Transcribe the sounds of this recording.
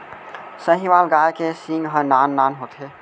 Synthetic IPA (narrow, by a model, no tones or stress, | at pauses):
səɦĩʋalɡajkesĩŋɡɦə̃nanːanɦot̪ʰɦe